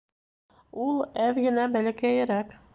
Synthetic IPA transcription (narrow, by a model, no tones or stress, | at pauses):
ulˠæðɡɘ̆næbælækæjɘɾæk